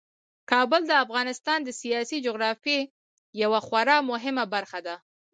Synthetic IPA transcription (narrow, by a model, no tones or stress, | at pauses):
kɑbəld̪əafɣɑnɪst̪ɑnd̪əsijɑsid͡ʒʊɣɾɑfe | jawaxwaɾɑmʊɦɪmabaɾxad̪a